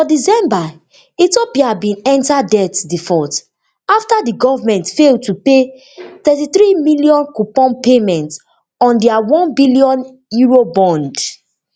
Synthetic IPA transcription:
fɔdisɛ̃mba | itopiabĩnɛ̃ntadɛtdifɔt | aftadiɡɔvamɛ̃ntfeltupe | t̪ɛtiθɾimiliɔ̃nkupɔ̃npemɛ̃nt | ɔ̃ndɛawɔ̃nbiliɔ̃n | juɹobɔ̃nd

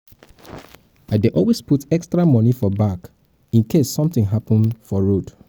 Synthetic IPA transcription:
adeʔɔlwesputɛkstɹamɔnifɔbak | ĩnkʰesːɔ̃mθɪ̃ŋɦapə̃nfɔɹod

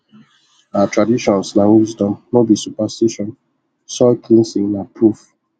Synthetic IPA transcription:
atʰɹadiʃɔ̃nsnawizdɔ̃mnobisupastiʃɔ̃n | sɔlkʰĩnsĩnapʰɹuf

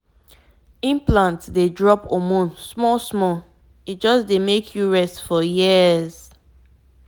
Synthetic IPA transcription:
ĩmplãntdedɹɔpomõnsmɔlsmɔl | it̚d͡ʒɔsdemekʰjuɹɛstfɔjiəz̥

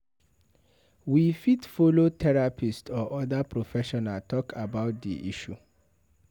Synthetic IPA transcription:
wifitfolotʰɛɾapʰistɔʔɔdapʰɾofɛʃɔnaltʰɔkʰabaʊt̚dḭʔiʃu

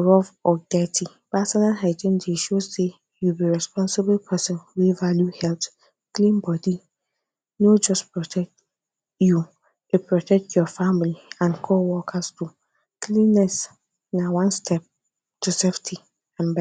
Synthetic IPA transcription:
ɹɔvɔdɛtʰi | pasɔnalɦɛd͡ʒɪ̃ndeʃose | jubiɹɛspɔ̃nsɪbəlpʰɛsɔ̃nwevaljuhɛlt | kʰlĩnbɔdi | nod͡ʒɔspɹɔtʰɛk̚t | ju | epɹɔtʰɛk̚tʰjɔfãmliãnkʰɔwɔkʰastʰu | kʰlĩnːɛs | nãwãnstʰɛp̚ | tʰuseftʰi | ãnbɛ

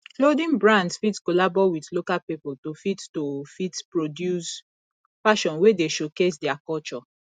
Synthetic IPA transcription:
klodĩnbɹãndsfitskolabɔwiθlokalpipoltofittofitpɹodjus | faʃɔ̃nwedeʃokes̬dɛakɔlt͡ʃɔ

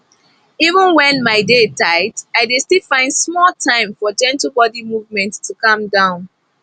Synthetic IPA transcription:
ivə̃nwɛ̃nmaɪdetʰaɪtaɪdestilfãɪ̃nd̥smɔlˠtʰãɪ̃mfɔd͡ʒɛ̃ntəbɔdimuvmɛ̃nttʰːukʌ̃mdãʊ̃n

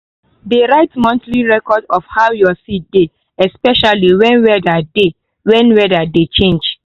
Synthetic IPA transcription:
deɹaɪtmɔ̃ntliɹɛkɔdɔfhaʊjɔsit̚de | ɛspɛʃaliwɛ̃nwɛdade | wɛ̃nwɛdadet͡ʃẽnd͡ʒ

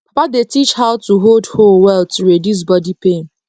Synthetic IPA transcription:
papadetit͡ʃhaʊtuɦoldholwɛlˠtuɹedus̬bɔdipẽn

